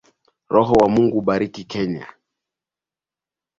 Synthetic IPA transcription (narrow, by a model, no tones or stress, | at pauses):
ɾɔɦɔwamuŋɡuɓaɾikikɛɲa̰